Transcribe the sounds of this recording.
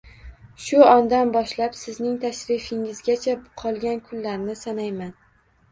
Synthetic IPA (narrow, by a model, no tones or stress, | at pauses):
ʃʊɒnd̪anbɒʃlapsɪznɪŋt̪ʰaʃɾɪfɪŋɪzɡʲat͡ʃʰaqʰɒlˠɡʲankʰʊlːaɾnɪsanajman